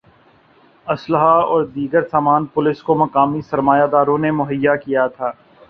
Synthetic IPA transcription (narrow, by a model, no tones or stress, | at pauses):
ɐsləɦaɔːɾd̪iːɡəɾsaːmaːnpʊlɪskomɐkaːmisɐɾmaːjad̪aːɾõnemʊɦəjːakijat̪ʰaː